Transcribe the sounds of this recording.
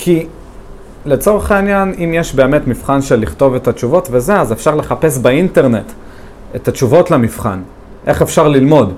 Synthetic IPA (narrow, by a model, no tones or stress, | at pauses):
kʰi | le̞t͡so̞ʁeχainjanimjeʃbe̞ːme̞tmifχanʃe̞lːiχto̞ve̞tat͡ʃuvo̞tve̞ze̞azefʃaʁle̞χape̞s̬bainte̞ʁne̞t | etat͡ʃuvo̞tlamifχa̰n | ʔe̞χe̞fʃaʁlilmo̞d